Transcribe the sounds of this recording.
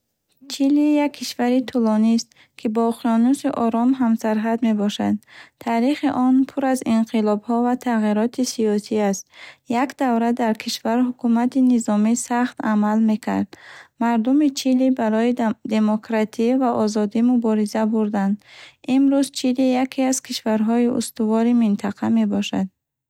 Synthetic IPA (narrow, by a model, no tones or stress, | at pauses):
t͡ʃʰilijakʰːiʃvaɾit̪ʰulɔnist̪ | kʰibɔqiɔnusiʔɔɾɔmɦamsaɾɦad̪me̞bɔʃad̪̚t̪ʰaɾiχiʔɔnpʰuɾaziɴqʰilɔbhɔvat̪ʰaʁiɾɔt̪ʰisiɔsiast̪jakd̪avɾad̪aɾkʰiʃvaɾɦukumat̪inizɔmisaχt̪a̰malme̞kʰa̰ɾd̪maɾd̪umit͡ʃʰilibaɾɔid̪e̞mɔkɾat̪ʰivaʔɔzɔd̪imubɔɾizabuɾd̪and̪imɾuzt͡ʃʰilijakʰiaz̥kʰiʃvaɾɦɔiʔṵst̪uvɔɾimint̪ʰaqʰame̞bɔʃa̰d̪̚